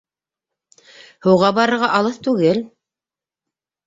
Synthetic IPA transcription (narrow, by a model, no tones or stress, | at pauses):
hɤ̆wʁɑbɑɾɤ̆ɾʁɑʔɑlˠɤθt̪ʉɡɘl